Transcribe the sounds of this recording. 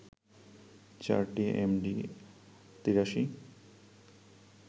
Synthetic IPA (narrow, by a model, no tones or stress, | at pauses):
t͡ɕa̰ɾʈiʔḛmɖi | t̪iɾaʃi